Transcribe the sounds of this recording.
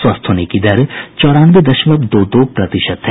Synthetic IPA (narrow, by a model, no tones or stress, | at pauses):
swɐst̪ʰɦoːnekid̪ɐɾt͡ʃɔːɾaːnʋed̪ɐʃʋəbd̪oːd̪oːpɾɐt̪ɪʃət̪ɦɛ